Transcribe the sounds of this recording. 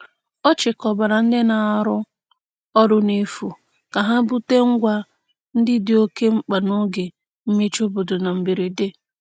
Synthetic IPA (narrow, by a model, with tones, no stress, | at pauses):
ɔ˦t͡ʃɪ˨kɔ˨ba˨ɾa˨n̩˦dɪ˦na˨˦ɾʊ˦ | ɔ˦ɾʊ˦ne˦fu˨ | ka˨ɦa˦bu˦te˦ŋ̩˦ɡʷa˦ | n̩˦dɪ˦dɪ˨o˦ke˦ŋ͡m̩˦k͡pa˨no˦ɡɪ˨ | m̩˦me˦t͡ʃo˦bo˨dʊ˨na˨m̩˨bi˨ɾi˨de˦